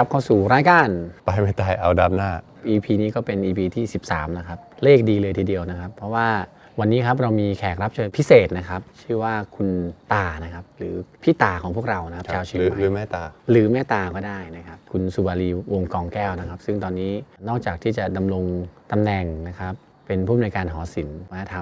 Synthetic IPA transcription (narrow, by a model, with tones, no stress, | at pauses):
a˦˥p̚kʰa˧˥˩wsuː˨˩ɾaː˦˧˥jkaː˧˩npa˧jma˦˥˩t̪aː˨˩jʔa˧wdaː˦˥m̚naː˥˩ | ʔiː˧pʰiː˧niː˦˥kɔː˥˩pe˧nʔiː˧pʰiː˧t̪ʰiː˥˩si˨˩p̚sa̰ː˩˦mna˦˧˩kʰa˦˥p̚leː˥˩k̚diː˧lɤː˧jt̪ʰiː˧di˧əwna˦˥kʰa˦˥pʰːɾɔ˦˥waː˥˩ | wa˧nːiː˦˥kʰa˦˥p̬̚ɾa˧wmiː˧kʰɛː˨˩k̚ɾa˦˥p̚t͡ɕʰɤː˧pʰi˦˥seː˨˩t̪̚na˦˥kʰa˦˥p̚t͡ɕʰɯː˥˩waː˥˩kʰu˧nt̪aː˨˩na˦˥kʰa˦˥p̚ɾɯː˩˦pʰiː˥˩t̪aː˨˩kʰɔː˩˦ŋʰpʰəkɾa˧wna˦˥kʰa˥aː˧wt͡ɕʰi˧˨˦ɯː˨˩˦mɛː˥˩t̪aː˧ɾɯː˩˦mɛː˥˩t̪aː˧kɔː˥˩daː˥˩jna˦˥kʰa˦˥p̚kʰu˧nsu˨˩baː˧liː˧wo˧ŋkɔː˧ŋkɛː˥˩wna˦˥kʰa˦˥p̚sɯ˥˩ŋt̪ɔː˧nːiː˦˥nɔː˥˩k̚t͡ɕaː˨˩k̚t̪ʰiː˥˩t͡ɕa˨˩da˧mɾo˧ŋt̪a˧mnɛ˨˩ŋna˦˥kʰa˦˥p̚ːe˧npʰuː˥˩mnuː˧jkaː˧nɦɔː˩˦si˩˦nma˧na˧˥˩t̪ʰa˧